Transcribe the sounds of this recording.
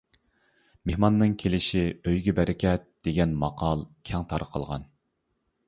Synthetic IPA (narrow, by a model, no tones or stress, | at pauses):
mehmɑnːɨŋkʲʰelɪʃiøjɡʲɛbɛɾɪkʲɛt̪̚d̪̥eɡʲɛnmɑqʰɑlˠkʲʰɛŋt̪ʰɑɾəqʰəlˠʁɑ̰n